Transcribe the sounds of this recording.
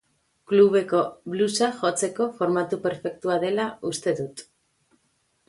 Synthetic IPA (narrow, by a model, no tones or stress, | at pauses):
kluβ̞e̞ko̞βlusaʝo̞t͡se̞ko̞fo̞ɾmat̪upe̞ɾfe̞k̚t̪uaðe̞laust̪e̞ðut̪